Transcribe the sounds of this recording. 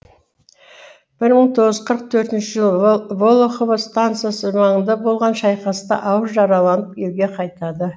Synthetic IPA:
b̥ɪɾməɴt̪ʰo̞ʁəzz̥qʰəɾəq̚t̪ʰɵɾt̪ɪnʃɪʒəlˠvolˠoχovəst̪ant̪sɨjasəmɑɴənd̪ɑbo̞lˠʁɑnʃɑjqɑsət̪ɑ̰ʔɑwəzʒɑɾɑlˠɑnəp̚ʲʰelɡʲe̞qʰɑjt̪ɑd̪ə

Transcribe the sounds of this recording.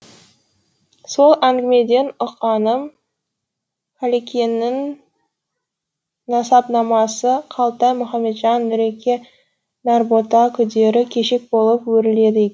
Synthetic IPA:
so̞lˠʔæŋɡʲɪme̞d̪e̞nʊqɑnəm | kʰalekʲenːɪŋ | ɑsɑpnɑmɑsəqʰɑlˠt̪ɑjmʊχɑmːe̞t̪ʒɑnːʏɾe̞kʲe̞ | nɑɾbot̪ɑkʲʰʏd̪e̞ɾɪkʲʰe̞ʃe̞k̚bo̞lˠəpwɵɾɪle̞d̪ɪe

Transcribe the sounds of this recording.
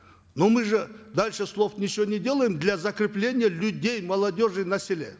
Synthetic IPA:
nomɨʐɨd̪alʲʂɨslˠo̞fnʲɪt͡ʃɪvonʲɪdʲe̞lˠəjɪmd̪lʲazɐkɾʲɪplʲenʲɪjəlʲʊdʲe̞jmɐlˠadʲo̞ʐɨjnɐsʲɪlʲe

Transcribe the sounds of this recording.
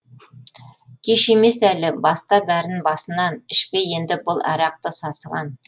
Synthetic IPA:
kʲʰeʃemesælɪbɑst̪ɑbæɾɪnbɑsə̆nːɑnɪʃpejend̪ɪbʊlˠʔæ̰ɾɑq̚t̪əsɑsəʁɑ̰n

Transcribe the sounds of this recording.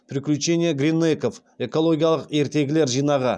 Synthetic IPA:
pʰɾʲɪkʲlʲʉt͡ʃːe̞nʲijeɡɾʲinːejkof | e̞ko̞lˠo̞ɡʲijalˠəqe̞ɾt̪e̞ɡʲɪle̞ɾʒijnɑʁə

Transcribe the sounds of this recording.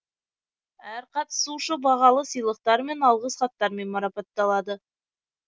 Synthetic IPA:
æɾqɑt̪ə̥suʃəbɑʁɑlˠəsijlˠəq̚t̪ɑɾme̞nɑlˠʁəsχɑt̪ːɑɾme̞nmɑɾɑpɑt̪ːɑlˠɑd̪ə

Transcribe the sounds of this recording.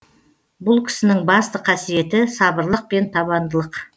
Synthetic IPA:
bʊlˠkʲʰɪ̥sɪnɪŋbɑst̪əqʰɑsije̞t̪ɪsɑbəɾlˠəq̚pe̞nt̪ʰɑβɑnd̪əlˠəq

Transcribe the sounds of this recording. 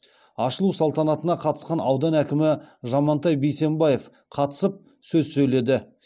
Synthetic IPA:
ɑʃəlˠusɑlˠt̪ɑnɑt̪ənɑqʰɑt̪ə̥sqɑnɑwd̪ɑnækʲɪmɪʒɑmɑnt̪ɑjbejse̞mbɑje̞f | qʰɑt̪ə̥səp̚ | sɵzsɵjle̞d̪ɪ

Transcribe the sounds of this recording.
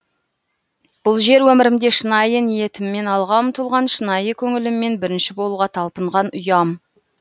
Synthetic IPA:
b̥ʊlˠʒe̞ɾwɵmɪɾɪmd̪e̞ʃənɑjənije̞t̪ɪmːe̞nɑlˠʁɑəmt̪ʰʊlˠʁɑnʃənɑjəkʲʰɵŋɪlɪmːe̞nbɪɾɪnʃɪbo̞lˠuʁɑt̪ʰɑlˠpəɴʁɑnʊjɑm

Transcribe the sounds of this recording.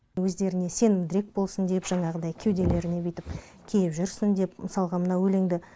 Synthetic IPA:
wɵzd̪e̞ɾɪne̞se̞nmd̪ɪɾe̞k̚bo̞lˠsənd̪epʒ̥ɑɴɑʁəd̪ɑjkʲʰewd̪ele̞ɾɪne̞bɪt̪ɪp | kʲʰelɪpʒʏɾsɪnd̪e̞pməsɑlˠʁɑmənɑwɵle̞ŋd̪ɪ

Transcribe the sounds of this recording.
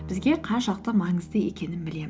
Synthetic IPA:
b̥ɪzɡʲe̞qʰɑnʃɑq̚t̪əmɑŋɴəzd̪əje̞̰kʲe̞nɪnbɪle̞m

